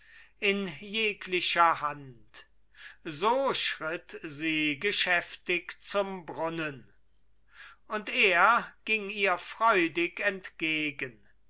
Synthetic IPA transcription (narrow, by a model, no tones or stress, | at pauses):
ʔɪnjeːkʰlɪɕɐhant | zoːʃʁɪtziːɡəʃɛftɪkt͡sʊmbʁʊnən | ʊnteːɐɡ̥ɪŋiːɐfʁ̥ɔʏdɪkɛntɡ̥eːɡən